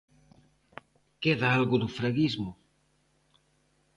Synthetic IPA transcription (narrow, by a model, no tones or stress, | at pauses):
keðaalɣuðufɾɐɣizmu